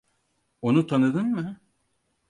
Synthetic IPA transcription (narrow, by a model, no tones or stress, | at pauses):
onut̪ʰanɯd̪ɯnmɯ